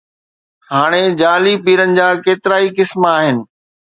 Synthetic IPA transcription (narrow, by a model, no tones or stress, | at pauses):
ɦaːɽ̃ed͡ʑaːlipiːɾənɪ̆d͡ʑaːkeːt̪ɪɾaːikɪsmaːɦɪnɪ̆